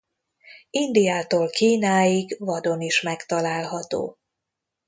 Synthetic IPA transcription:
ind̪ijaːt̪oːlkiːnaːjiɡvɒd̪o̞niʃmɛkt̪ɒlaːlɦɒt̪o̰ː

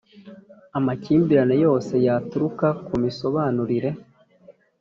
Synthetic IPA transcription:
amaciːmbiɾane̞jo̞ːse̞jatuɾukakumiso̞βaːnuɾiɾe̞

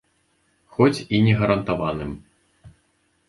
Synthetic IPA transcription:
xɔt͡sʲinʲɛɣɐɾɐnt̪avanɨm

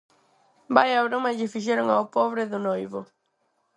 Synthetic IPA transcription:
bajawɾomaʎɪfiʃ̬eɾʊŋawpɔβɾɪðʊnojβʊ

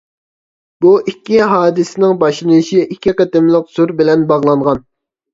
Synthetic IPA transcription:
b̥uʔikʲːiɦɑːd̪ɨsɪnɪŋbɑʃlˠɨnuʃiʔikʲʰːiqt̪ɪmlˠəqsuɾbɪlɛnbɑʁlˠɑɴʁɑn

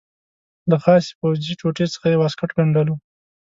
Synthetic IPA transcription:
d̪əxɑsi̥powziʈ͡ʂoʈet͡sə̥xajewɑskaʈɡaɳɖəlu

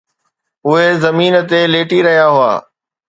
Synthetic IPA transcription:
ʊɦezɐmiːnt̪eleːʈiɾɐɦijaɦʊa̰ː

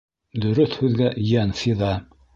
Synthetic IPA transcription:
d̪ɵ̆ɾɵθhʉðɡæʔjænsiðɑ

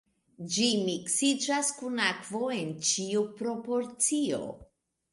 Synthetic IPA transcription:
d͡ʒimiksid͡ʒaskunakvo̞e̞nt͡ʃiupɾo̞po̞ɾt͡sio̞̰

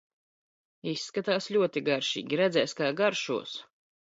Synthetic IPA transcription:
isːkat̪aːslʲuɔt̪iɡaɾʃḭːɡʲiɾɛd̪zɛːskaːɡaɾʃṵɔs

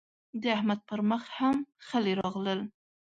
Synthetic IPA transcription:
d̪eahmat̪̚pʰəɾmɑχhamχaliɾɑʁləl

